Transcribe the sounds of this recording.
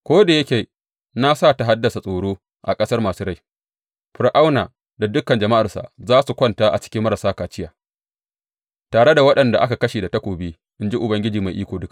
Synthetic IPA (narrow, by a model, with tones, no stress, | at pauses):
kʷoː˦da˨jɐ˦kʲeː˨ | na˦saː˦˨ta˨ɦa˦dːɐ˨sa˨sʼoː˨ɽoː˦ | ʔa̰˨kʼɐ˦sɐ˦rmaː˨suː˦ɾa˦˨j | ɸɪ˨ɾʔa˦wnaː˨ | da˨dʊ˦kɐ˨nd͡ʒɐ˨ma˦ʔa˨rsa̰˨zaː˦su˨kʷɔ˦ntaː˦ʔa̰˨t͡ʃɪ̥˦kʲɪ˦mːɐ˦ɾa˨saː˦kaː˨t͡ʃɪ˦jaː˨ | taː˨ɽe˦da˨wɐ˦ɗɐ˨nda̰˨ʔa˦ka˨kɐ˦ʃeː˨da˨tɐ˦kʷoː˨biː˦ | ʔɪ˦nd͡ʒi˦ʔʊ˨bɐ˦ŋɡʲɪ˦d͡ʒiː˨ma˨jʔiː˦kʷoː˨dʊ˦ka˨